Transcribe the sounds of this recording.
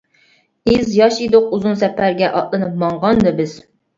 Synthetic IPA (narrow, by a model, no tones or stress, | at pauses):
ɪzjɑʃid̪ʊq̚uzunsɛpʰæɾɡʲɛʔɑ̰t̪lˠɨnɨpmɑɴʁɑnd̪ɨbɪz̥